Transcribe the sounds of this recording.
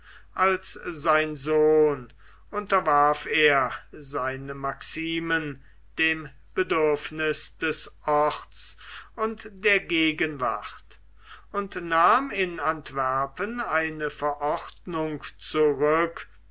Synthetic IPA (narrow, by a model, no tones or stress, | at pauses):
ʔalszaɪnzoːn | ʔʊntɐvaɐfeːɐzaɪnəmaksiːmən | d̥eːm | b̥ədʏɐfnɪsd̥ɛsʔɔχtt͡sʊntd̥eːɐɡeːɡənva̰χt | ʊntnaːmɪnantv̥ɛɐpənaɪnəfɛɐʔɔχtnʊŋkt͡suʁʏk